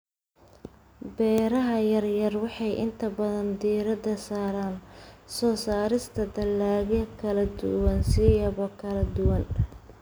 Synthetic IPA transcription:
bɛːɾɐɦɐjɐrjɐrwɑħɑjʔɪ̰nt̪ʰɐbɐðɐnd̪iːɾɐd̪ɐsaːɾaːnsɔːsaːɾɪst̪ʰɐd̪ɐlːaːɣɛkʰɐlɐd̪ʊ̰wɐnsijɐβɔkʰɐlɐd̪ʊwɐn

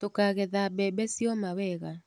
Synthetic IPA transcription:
tokaɣeðabɛbɛsjɔmawɛɣa

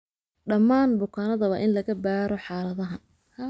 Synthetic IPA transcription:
ɖɐmːaːnbʊkʰaːnɐðɐβɐʔɪnlɐɣɐbaːɾɔħɑːlɐðɐɦɐ | h

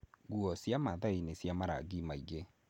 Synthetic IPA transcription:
ɡwɔsjamaðainesjamaɾa̰ɡimaiɣe

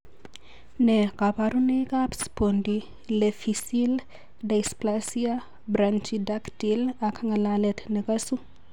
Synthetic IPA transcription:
nɛkapaɾunekʼapspondi | lefisil | dajsplasia | brant͡ʃidakdilakʰaŋalalɛtʰnɛkʼasu

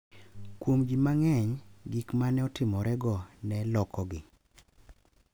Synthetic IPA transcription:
kwomɡimaŋɛɲɡikmanɛɔtɪmɔɾɛɡɔnɛlɔkʰɔɡɪ

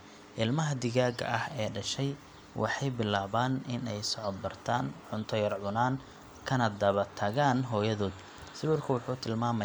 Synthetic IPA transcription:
ʔɪlmɐɦɐd̪ɪɣaːɡɐ̰ʔɐhɛːɖɐʃɛj | wʔɑ̰ħɑjbɪlaːβaːnɪnɛjsɔʕɔd̪̚bɐrt̪ʰaːnʕʊnt̪ʰɔjɐrʕʊnaːn | kʰɐnɐd̪ɐβɐt̪ʰɐɣaːnɦɔːjɐðɔːd̪ | sɪwʊrkʰɐwɑħuːt̪ʰɪlmaːmɐ

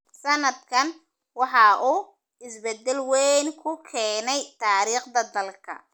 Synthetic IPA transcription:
sɐnɐd̪̚kʰɐn | wɑħɑʔuː | ɪsbɛd̪ɛlwɛnkʰʊkʰɛːnɛjt̪ʰaːɾiːqd̪ɐd̪ɐlkʰɐ̰

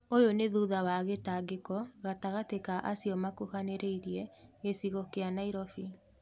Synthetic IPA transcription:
ojoneðuðawaɣetaɡekɔɣataɣatekaʔasiɔmakuhaneɾʔeiɾiɛɣesiɣɔkeanaiɾɔfi

